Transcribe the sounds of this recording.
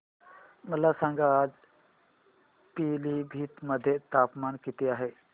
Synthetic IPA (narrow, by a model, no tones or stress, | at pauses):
mət̪ləbsãŋɡaaːd͡ʒ | piːlibʱiːt̪məd̪ʱjet̪aːpmaːnkit̪eaːɦe